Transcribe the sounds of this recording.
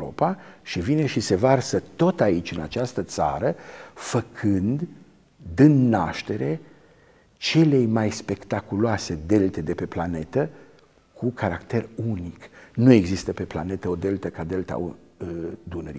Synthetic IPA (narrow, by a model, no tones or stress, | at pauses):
o̰paʃivine̞ʃise̞varsət̪o̞t̪ait͡ʃʲɨnat͡ʃast̪ət̪sa̰ɾəfəkʰɨnd̪ | d̪ɨnːaʃt̪e̞ɾe | t͡ʃe̞le̞jmajspe̞kt̪akuloase̞d̪e̞lt̪e̞d̪e̞pe̞plane̞t̪ə | kʰukʰaɾakt̪e̞runiknue̞ɡzist̪əpe̞pla̰ne̞t̪əod̪e̞lt̪əkad̪e̞lt̪a̰ | d̪unəɾi